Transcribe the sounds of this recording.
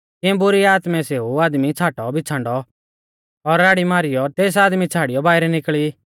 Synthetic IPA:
k̪ɪɛ̃bʊɾiaːt̪mɛseːuaːd̪mit͡sʰaːʈɔbʱɪt͡sʰãːɳɖɔ | ɔɾːaːɽimaːɾɪjɔt̪eːs̬aːd̪mit͡sʰaːɽɪjɔbaːɪɾɛnɪkɭi

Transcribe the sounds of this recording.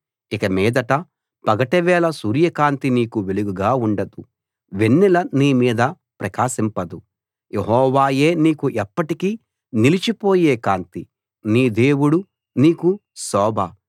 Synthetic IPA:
ikɐmɛːd̪ɐʈɐ | pɐɡɐʈɐʋɛːlɐsuːɾjɐkaːnt̪iniːkuʋeluɡuɡaːuɳɖɐd̪u | ʋenːilɐniːmiːd̪ɐ | pɾɐkaːsimpɐd̪u | jeɦɔːʋaːje̞ːniːkuʔɛpːɐʈikiː | nilit͡ʃipo̞ːjeːkaːnt̪i | niːd̪eːwuɽu | niːkusɔːbʱɐ

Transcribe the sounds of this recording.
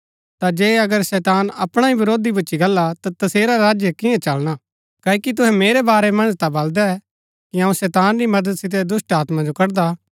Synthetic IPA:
t̪ad͡ʒeːɐɡəɾsɛːt̪aːnɐpɽ̃aibɐɾoːd̪ibʊtːʃiɡɐlːat̪at̪ɐseːɾaɾaːd͡ʒjəkɪ̃ãt͡ʃɐlɽ̃a | kɐːikit̪̬ʊɦɛ̃meːɾebaːɾɛmɐ̃nd͡ʒt̪abɐld̪aɛ | kiaːũsɛːt̪aːnɾimɐd̪əd̪sɪt̪̬ed̪ʊsʈaːt̪mãd͡ʒokɐɾd̪a

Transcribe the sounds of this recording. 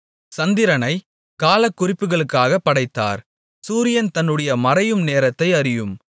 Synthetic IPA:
sɐnd̪ɪɾɐnɐɪ | kaːlɐkːʊrɪpːɯɣɐɭɯkːaːɣɐpːɐɽɐɪt̪ːa̰ːɾ | suːɾɪjɐnt̪ɐnːɯɽɐjɐmɐɾɐjɯmneːɾɐt̪ːɐɪɐɾɪjɯm

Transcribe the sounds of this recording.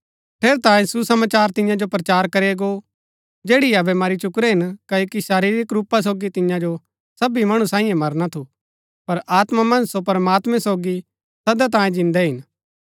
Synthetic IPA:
pʰeːɾt̪ãːẽsusɐmaːt͡ʃaːɾt̪ɪ̃jãd͡ʒopɾɐt͡ʃaːɾkɐɾeɡo | d͡ʒeːɽiɐbɛmɐɾit͡ʃʊkɾɛɦɪnkɐokiʃaːɾiːɾɪkɾuːpas̬oːɡit̪ɪjãd͡ʒo | sɐbimɐɽ̃ũsãːĩːjẽmɐɾnat̪ʰu | pɐɾʔaːt̪mamɐ̃nsopɐɾmaːt̪mɛ̃soːɡi | sɐd̪at̪ãːjẽd͡ʒɪ̃nd̪ɛɦɪn

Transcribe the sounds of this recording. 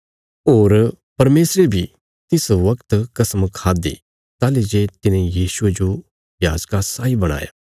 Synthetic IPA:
oːɾ | pɐɾmeːsɾebʱi | t̪ɪsʋɐkt̪kɐsmkʰaːd̪ḭ | t̪aːlid͡ʒeːt̪ɪnẽjiːsʊed͡ʒo | jaːd͡ʒkasaːibɐɽ̃a̰ːja̰

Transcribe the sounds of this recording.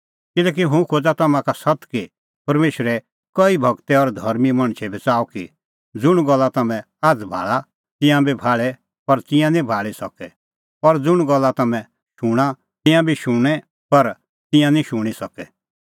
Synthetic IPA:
kɪlɛːk̬iɦũkʰod͡zat̪ɐmãkasɐt̪ki | pɐɾmeːʃɾɛ | kɔibʱɐɡt̪ɛɔɾd̪ʱɐɾmimɐ̃ɽ̃t͡ʃʰɛbʱɐt͡saːɔki | d͡zʊɽ̃ɡɔlːat̪ɐmɛ̃ | aːd͡zbʱa̰ːɭa | t̪ɪ̃jãbibʱaːɭɛ | pɐɾt̪ɪ̃jãnĩbʱaːɭisɐkɛ | ɔɾd͡zʊɽ̃ɡɐlːat̪ɐmɛ̃ | ʃʊɽ̃a | t̪ɪ̃jãbʱiʃʊɽ̃ɛ | pɐɾ | t̪ɪ̃jãnĩʃʊɽ̃isɐkɛ

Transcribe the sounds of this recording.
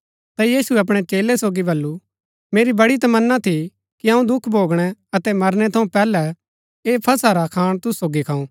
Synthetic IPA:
t̪ajiːsuɛɐp̬ɽ̃ɛt͡ʃeːlɛsoːɡibɐlːu | meːɾibɐɽit̪̬ɐmɐnːat̪ʰi | kiɐ̃ũd̪ʊkʰbʱoːɡɽ̃ɛɐt̪ɛmɐɾñɛt̪ʰɐ̃ũpɛːlɛ | eːpʰɐsaɾakʰaːɽ̃t̪ʊsːoːɡikʰãːũ

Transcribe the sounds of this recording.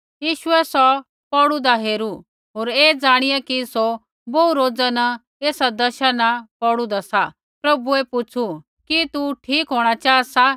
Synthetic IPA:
jiːʃʊɛsɔ | pɔɽud̪aɦeːɾu | ɦoːɾeːd͡zaːɽ̃ɪjakiso | bouɾoːd͡zanɐ | eːsad̪ɐʃanapɔɽud̪asa | pɾɐbuɛpʊt͡sʰu | kit̪uʈʰiːkɦoːɽ̃at͡ʃaːsa

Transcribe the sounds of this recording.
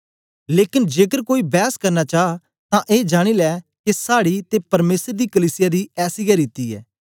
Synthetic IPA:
leːkɪnd͡ʒeːkəɾkoːiːbɛːskɐɾnaːt͡ʃaːa | t̪ãːʔeːd͡ʒaːɽ̃iːlɛːkesaːɽiːt̪epɐɾmeːsəɾd̪iːkəliːsɪjaːd̪iːɛːsiːɡaɾɪt̪ːiːɛ̰ː

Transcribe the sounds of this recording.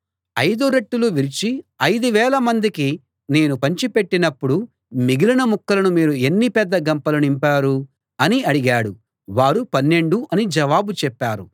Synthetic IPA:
ɐjd̪uɾeʈːuluʋiɾit͡ʃiɐjd̪uʋɛːlɐmɐnd̪iki | ne̞ːnupɐɲt͡ʃipe̞ʈːinɐpːuɽu | miɡilɐnɐmukːɐlɐnumiːɾue̞nːipɛd̪ːɐɡɐmpɐlɐnimpaːɾu | ɐniɐɽiɡaːɽṵ | ʋaːɾupɐnːe̞ɳɖuʔɐnid͡ʒɐʋaːbut͡ʃɛpːaːɾṵ

